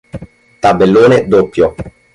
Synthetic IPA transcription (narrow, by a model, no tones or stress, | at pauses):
t̪abːelːoːned̪opːjo